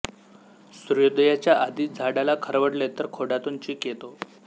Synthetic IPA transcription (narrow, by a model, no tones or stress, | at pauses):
sɾujod̪jat͡ɕjaʔad̪iːt̪̚d͡zʱaɽalakʰəɾʋəɽlet̪əɾkʰoɽat̪unt͡ɕiːket̪o